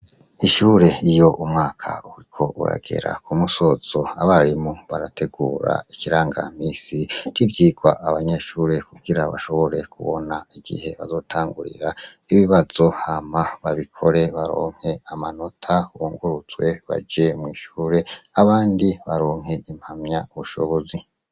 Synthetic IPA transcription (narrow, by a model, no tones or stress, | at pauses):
iʃuːɾe̞ijo̞ʔumŋaːkʰa̰uɾikʰo̞ṵɾa̰ɡ̥e̞̰ɾa̰kumuso̞z̥o̞aβaɾimuβaɾate̞ɡuːɾa̰ikiɾaːŋɡa̰m̥iːsiɾivjiːɡwaʔaβaɲe̞ʃuːɾe̞kuɡiɾaβa̰ʃo̞βo̞ɾe̞kʰuβo̞̰naiɡ̥ḭhe̞βa̰zo̞ːtʰaːŋɡuɾḭɾaiβiβaz̥o̞hamaβaβikʰo̞ɾe̞βaɾo̰ːŋ̥he̞amano̞tʰawuːŋɡuɾuzwe̞βa̰d͡ʒe̞mŋiːʃuːɾe̞aβaːndiβaɾoːŋ̥he̞ʔim̥hamɲauβuʃoβozi